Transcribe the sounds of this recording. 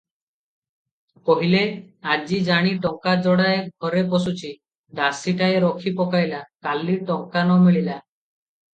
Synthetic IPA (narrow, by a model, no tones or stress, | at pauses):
pɔɦile | ad͡ʒid͡ʒaɽ̃iʈɔŋkad͡ʒɔɽaeɡʱɔɾepɔsut͡ʃʰi | d̪asiʈaeɾɔkʰipɔkajlakalːiʈɔŋkanɔmiɭila